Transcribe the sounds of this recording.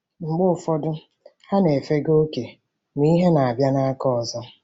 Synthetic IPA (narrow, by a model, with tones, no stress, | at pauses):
ŋ͡m̩˨ɡ͡bʊ˦˨fɔ˦dʊ˦ | ha˦ne˨fe˦ɡo˦ke˨ | m˦i˦ɦe˦na˨a˨bja˦na˦a˦kɔ˦˨zɔ˦